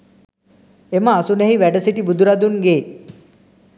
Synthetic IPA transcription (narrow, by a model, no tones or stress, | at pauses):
eməasuneɦiʋæɖəsiʈibud̪ʱuɾad̪unɡeː